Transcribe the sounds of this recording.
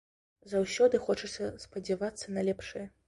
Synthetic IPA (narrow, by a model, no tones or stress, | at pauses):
zɐwsʲɔd̪ɨxɔt͡ʂɐsʲɐspɐd͡zʲɛvat̪sːɐnɐlʲɛpʂɨjɐ